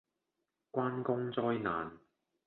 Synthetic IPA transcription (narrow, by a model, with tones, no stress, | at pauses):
kʷwaː˥nkʊ˥ŋt͡sɔː˥jna̰ː˨˩n